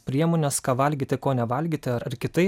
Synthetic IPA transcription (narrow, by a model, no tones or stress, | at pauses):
pʲɾʲiɛmoːnʲɛskɑːʋɐlʲɡʲiːt̪ʲɪkoːnʲɛʋɐlʲɡʲiːt̪ʲɪɐɾɐɾkʲɪt̪ɐɪ